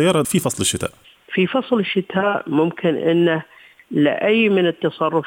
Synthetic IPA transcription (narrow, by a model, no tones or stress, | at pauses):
ajːɑːɾˤɑfifɑsˤlɪʃːɪt̪a̰ːʔ | fifɑsˤlɪʃːɪt̪ʰaːʔmʊmkʰɪnʔɪ̰nːa | lɪ̰ʔajːmɪnɪt̪ːɑsˤɑrˤːʊf